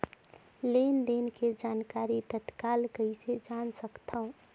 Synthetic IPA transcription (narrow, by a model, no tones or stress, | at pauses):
lend̪enked͡ʒaːnkaɾit̪ət̪kalkəised͡ʒansəkt̪ʰaũ